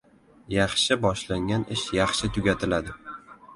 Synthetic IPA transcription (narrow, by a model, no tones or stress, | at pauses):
jɑχʃɪbɒʃlaŋɡʲanɪʃjɑχʃɪt̪ʰʊɡʲat̪ʰɪlad̪ɪ